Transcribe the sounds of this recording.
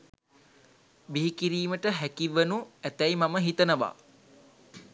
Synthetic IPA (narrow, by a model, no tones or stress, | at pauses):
biɦikiɾiːməʈəɦækiʋːənuæt̪æjmaməɦit̪ənəʋa̰